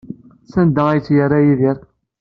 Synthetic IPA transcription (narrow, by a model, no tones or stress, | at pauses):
sænd̪əæjt͡sːjəɾːajiðiɾ